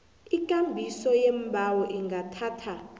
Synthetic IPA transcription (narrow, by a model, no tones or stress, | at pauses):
ikʼambʱisɔjembʱawɔʔiŋɡatʰaːtʰa